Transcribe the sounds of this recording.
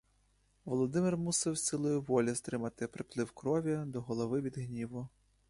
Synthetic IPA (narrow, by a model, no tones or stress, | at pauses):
ʋɔlˠɔd̪ɪmɪrmusɪwsʲsʲɪlˠɔjʊʋɔlʲizt̪ɾɪmɐt̪ɪpɾɪplˠɪwkɾɔʋʲid̪ɔɦɔlˠɔʋɪʋʲid̪ɦnʲiʋʊ